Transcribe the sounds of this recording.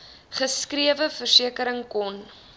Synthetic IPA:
χəskriəvəfərsiəkəɾəŋkɔn

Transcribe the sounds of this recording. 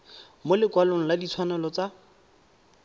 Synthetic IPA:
molɪkwaloŋ̩ladit͡sʰwanɛlɔt͡sa

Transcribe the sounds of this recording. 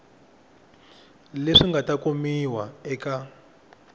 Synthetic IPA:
leʂiŋɡatakomiwaɛka

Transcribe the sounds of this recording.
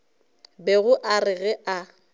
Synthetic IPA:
bɛɣʊʔarɪɣɛʔa

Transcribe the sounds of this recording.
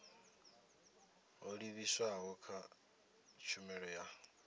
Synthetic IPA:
oliβiswaɦɔkʰa | t͡ʃʰumɛɺɔja

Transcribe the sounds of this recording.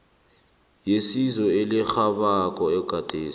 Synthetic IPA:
jesizɔelɪxaɓak̬ʼɔɛɡ̥ʱad̥ʼʱeːs

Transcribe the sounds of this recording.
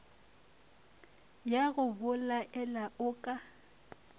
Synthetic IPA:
jaɣʊbʊlaʔɛlaʔʊkʼa

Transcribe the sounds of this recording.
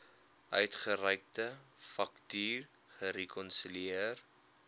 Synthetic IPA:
ʔœɥtχəɾəjk̚təfɐktyːr | χəɾekɔnsyliiər

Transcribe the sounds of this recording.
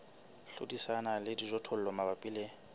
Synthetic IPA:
ɬṵdisanalɪdizɔtʰol̩lɔmabapʼile

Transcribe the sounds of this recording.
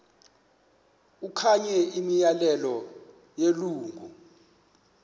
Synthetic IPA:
ukʰaɲɛimijalɛlɔ | jeluːŋɡʱu

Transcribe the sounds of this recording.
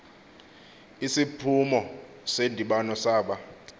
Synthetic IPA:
isipʰumɔ | sendʱiɓanɔsaːɓa

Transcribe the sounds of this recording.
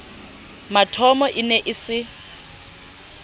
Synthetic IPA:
matʰɔmɔʔɪnɛʔɪsɪ

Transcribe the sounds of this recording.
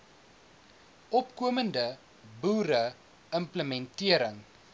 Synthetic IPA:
ʔɔpkuəməndə | buːɾə | əmpləmɛntiəɾəŋ

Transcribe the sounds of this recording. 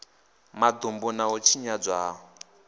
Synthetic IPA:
mad̪ombɔnaɔt͡ʃʰiɲad͡zʷaːɦɔ

